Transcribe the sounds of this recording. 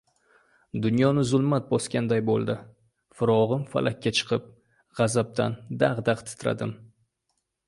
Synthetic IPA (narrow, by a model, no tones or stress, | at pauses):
d̪ʊnjɒnɪzʊlˠmat̪̚bɒskʲand̪ajbo̰lˠd̪ɪ | fʊɾɒʁɨmfa̰lʔakʲʰːat͡ʃʰɨ̥qʰɨp̚ | ʁɑzap̚d̪ʰa̰nd̪aʁd̪aʁt̪ʰɪ̥t̪ʰɾa̰d̪ɪm